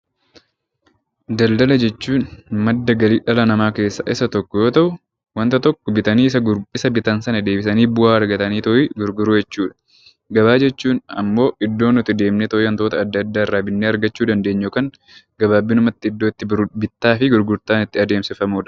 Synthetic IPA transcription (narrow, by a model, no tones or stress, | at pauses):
d̪ɐld̪ɐlɐd͡ʒɛt͡ʃːuːnmɐd̪ːɐɡɐliːᶑɐlɐnɐmaːke̞ːsːa̰ːʔɪsɐt̪ɔkːɔjo̞ːt̪ɐʔʊ | wɐnt̪ɐt̪ɔkːɔbɪt̪ɐniːɪsɐɪsɐbɪt̪ɐnsɐnɐd̪e̞ːbɪsɐniːbʊaːɐɾɡɐt̪ɐniːt̪ɔʔɪɡʊɾɡʊɾujɛt͡ʃːuːᶑɐ̥ | ɡɐβaːd͡ʒɛt͡ʃːuːnɐ̰mːo̞ːʔɪd̪ːo̞ːnɔt̪ɪd̪e̞ːmnɛt̪ɔjɐnt̪o̞ːt̪ɐːd̪ːɐd̪ːaːɪrːaːbɪnːeːɐɾɡɐt͡ʃːuːd̪ɐnd̪eːɲːoːkɐŋ | ɡɐbaːbːɪnʊmɐt̪ːɪɪd̪ːo̞ːɪt̪ːɪbɪt̪ːaːfɪɡʊɾɡʊɾt̪aːnɪt̪ːɪɐd̪e̞ːmsɪfɐmuːᶑ